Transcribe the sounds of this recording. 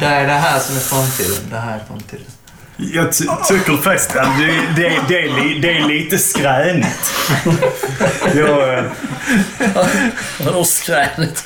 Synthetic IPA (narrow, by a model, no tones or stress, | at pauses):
d̪ɛæɖɛɦæːɾʂɔmɛfɾamt̪ʰḭːd̪ə̰nd̪ɛɦæːɾɛɾfɾa̰mt̪ʰḭːd̪ən | jɑt̪ʰʏkːəɾfɛst̪ad̪ɛd̪ɛd̪ɛːliːd̪ɛːɭiːt̪əskɾɛːnət̪ | jɑːɡ | d̪ʊskɾɛːnət̪